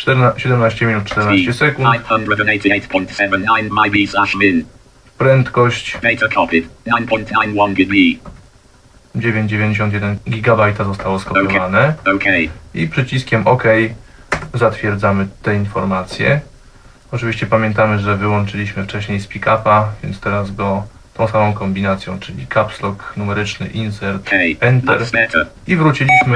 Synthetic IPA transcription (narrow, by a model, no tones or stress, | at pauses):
ɕɛd̪ɛmnaɕt͡ɕɛmʲinut̪̚t͡ʂːt̪ɛɾnat͡ɕɛsɛkunthʌ̃ndɹədneɪtʰieɪtpʰɔ̃ɪ̃ntsɛvə̃nãɪnmaɪbislaʃɪ̃n | pɾɛnt̪kɔɕt͡ɕd̥eɪtʰəkʰɔpidnãɪ̃npʰɔ̃ntʰãɪ̃nwʌ̃nɡɪi | d͡ʑevʲjeɲd͡ʑd͡ʑevʲẽɲd͡ʑeɕ̬ɔnt̪̬jɛd̪ɛnɡʲiɡabajt̪azɔst̪awɔskɔpjɔvanɛoʊkʰeɪipʂɘt͡ɕiskʲɛmʔɔkɛj | zat̪fʲjɛɾd̪zamɘt̪ɛinfɔɾmat̪sʲjɛ̰ | ɔt͡ʂɨviɕt͡ɕɛpamʲjɛnt̪amɘʐɛvɘwɔnt͡ʂɘlʲiɕmɘft͡ʂɛɕɲejspʲikapavʲjɛ̰nt̪st̪ɛɾazɡɔt̪ɔ̃w̃samɔ̃w̃kɔmbʲinat̪sʲjɔ̰̃w̃t͡ʂɘlʲikʰapslɔknumɛɾɘt͡ʂnɘ̰ʔinsɛɾt̪ɛnt̪ɛɾɛt | ivɾut͡ɕilʲiɕmɘ